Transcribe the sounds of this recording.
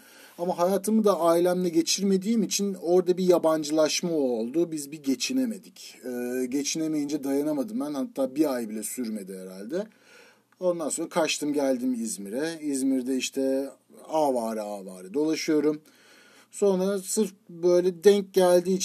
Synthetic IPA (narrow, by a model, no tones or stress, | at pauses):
amaɦajaːt̪ʰɯmɯd̪aajlʲæmlʲɛɟe̞t͡ʃʰiɾme̞d̪iːmit͡ʃʰino̞ɾd̪abijaband͡ʒɯlˠaʃmao̞lˠd̪ʊbizbiɟe̞t͡ʃʰine̞me̞d̪icːɟe̞t͡ʃʰinemejind͡ʒɛd̪ajanamad̪ɯmbænhat̪ʰːaːbiajbilʲɛsyɾme̞d̪iheɾalʲd̪ɛ | o̞nd̪ansonɾakʰaʃt̪ʰɯmɟælʲd̪imizmiɾɛizmiɾd̪ɛiʃt̪ʰɛ | aːvaːɾɯaːva̰ːɾɯd̪o̞lˠaʃɯjo̞ɾum | so̞nɾasɯɾk̚bø̞jlʲɛd̪ɛɲc̚ɟælʲd̪iːt͡ʃ